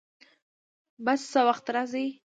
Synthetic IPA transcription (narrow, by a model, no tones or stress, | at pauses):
basːəwaxt̪ɾazi